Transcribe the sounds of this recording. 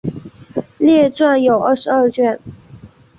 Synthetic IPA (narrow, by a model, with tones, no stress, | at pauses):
ljɛ˥˧ʈ͡ʂwa˥˩njo˨˩ʊʔə˥˩ʂɻ̩˧˦ə˞˥˧t͡ɕɥɛ˥˩n